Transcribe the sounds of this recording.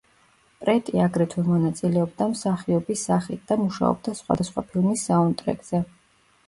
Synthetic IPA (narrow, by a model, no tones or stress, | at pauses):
pʼɾɛt̪ʼiaɡɾɛt̪ʰwɛmɔnat̪sʼilɛɔb̚d̪amsaχiɔbisːaχit̪̚ʰd̪̥amuʃa̰ɔ̰b̚d̪asχwa̰d̪asχwa̰pʰilˠmisːaɔnt̪ʼɾɛ̰kʼz̥ɛ